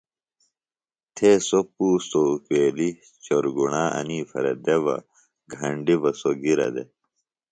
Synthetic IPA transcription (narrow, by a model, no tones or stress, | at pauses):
t̪ʰeːsopuːst̪okweːli | t͡ɕoɾɡuɳaːɐ̰niːfɐ̰ɾɐ̰d̪eʋɐ̰ | ɡʱɐɳɖibɐsoɡiɾɐ̰d̪e